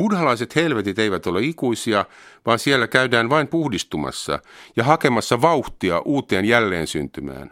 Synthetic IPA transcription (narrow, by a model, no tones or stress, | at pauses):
mudhɑlɑiset̪helʋet̪it̪eiʋæt̪olːeikuisiɑ | ʋɑːnsielːækæydæːnʋɑimpuhdist̪umɑ̰sːɑ̰jɑhɑkemɑsːɑʋɑuht̪iɑʔuːt̪ˑeːnjælːḛːnsy̰nt̪ymæ̰ːn